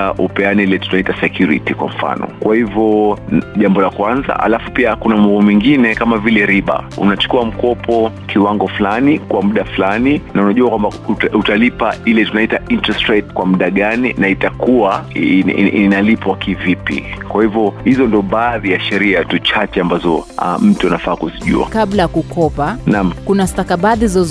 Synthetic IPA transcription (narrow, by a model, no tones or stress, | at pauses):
ʔupɛaniilɛtu̥naitasɛkjuɾḭtikwa̰m̩fa̰nɔ̰kwahivɔʄambɔlakwanza̰ha̰lafupiakunamabɔmwiŋɡinɛkamavilɛɾiɓa̰ṵnat͡ʃu̥kuam̩kɔpɔ | kʰiwaŋɡɔflanikwʔamuɗaflaninaunaʄuakwambauutalipailɛtunaitaintɾastɾɛtkwamuɗaɠaninaitakuaiinalipwakivipḭkwahivɔhizɔndiɔɓaːðijaʃɛɾiatut͡ʃat͡ʃɛambazɔa̰m̩tuanafaːkuziʄṵa̰kaɓlajakukɔpanam̩kunastakaɓaðizɔz